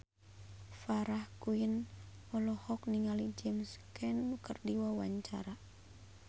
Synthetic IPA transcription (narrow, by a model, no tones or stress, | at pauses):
faɾahkuinɔlɔhɔk̚niŋalid͡ʒɛmskɛnːukərdiwawa̰ɲt͡ʃa̰ɾa